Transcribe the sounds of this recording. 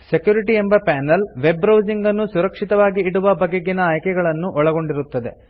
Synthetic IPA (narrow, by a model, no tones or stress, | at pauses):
se̞kjuːɾiʈie̞mbɐpaːnɐlʋe̞bɾɐwd͡ʒiŋɡɐnːusuɾɐkʂit̪ɐʋaːɡiːɽuʋɐbʱɐɡeɡinɐːjkɛɡɐɭɐnːuʔɔɭɐɡo̞ɳɖiɾut̪ːɐd̪e̞̰